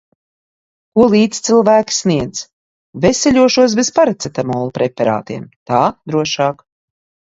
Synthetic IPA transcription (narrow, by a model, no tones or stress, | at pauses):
kuɔlˠiːt̪st̪silˠvæːkʲi̥sniɛd̪z | vɛsʲɛlʲuɔʃuɔs̬bespaɾat̪set̪amɔːlˠupɾʔepɛɾa̰ːt̪iɛmt̪aːd̪ɾuɔʃɑːk